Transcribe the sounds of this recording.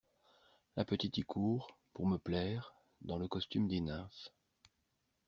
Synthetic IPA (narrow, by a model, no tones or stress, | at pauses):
lapət̪it̪ɛkʰuːʁ | puʁməplɛʁ | d̪ɑ̃ləkɔst̪ymd̪enaf